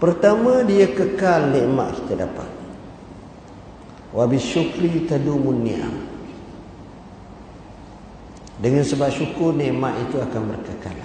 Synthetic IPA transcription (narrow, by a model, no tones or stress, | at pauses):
pərt̪amãdiakəkalnɛʔma̰ʔkit̪əda̰pa̰t̪̚ | wabiʃukɾit̪adumunːiʔa̰m | dəŋansəbap̚ʃukʊrnɛʔmaʔit̪uakanbərkəka̰l